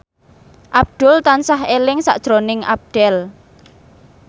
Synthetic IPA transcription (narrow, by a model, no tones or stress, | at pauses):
ʔab̚d̪̥ʊlt̪ansaɦelɪŋsa̰ʔd̥ʒ̥ɾonɪŋʔa̰b̚ɖ̪̥ɛl